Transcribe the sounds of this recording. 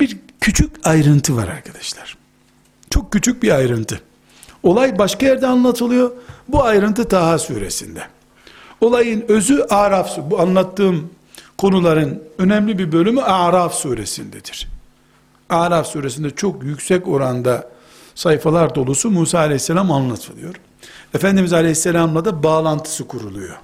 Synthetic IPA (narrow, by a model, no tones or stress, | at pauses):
biɾ | cʰyt͡ʃʰycajɾɯnt̪ʰɯva̰ɾa̰ɾkʰad̪ḁʃlˠaɾ̥ | t͡ʃʰo̞k̚cːyt͡ʃʰyc̚biajɾɯnt̪ʰɯ | o̞lˠajbaʃkajæɾd̪ɛanlˠat̪ʰɯlˠɯjo̞buajɾɯnt̪ʰɯt̪ʰaɦasuːɾḛsind̪ɛ | o̞lˠajɯnø̞zyʔaːɾafsubuanlˠat̪ːɯːm | kʰo̞nulˠaɾɯnø̞nɛmlʲibiɾbø̞lʲymyaːɾafsuːɾe̞̰sind̪ɛd̪̥iɾ̥ | aːɾafsuːɾes̬ind̪ɛt͡ʃʰo̞kjycsɛco̞ɾand̪a | sajfalˠaɾd̪o̞lˠusumuːsaːlʲɛjisːelʲamanlˠat̪ʰɯlˠɯ̰jo̞ɾ̥ | efænd̪imizalʲehisːelʲamlˠad̪abaːlˠant̪ʰɯ̥sɯkʰuɾulˠujo̞̰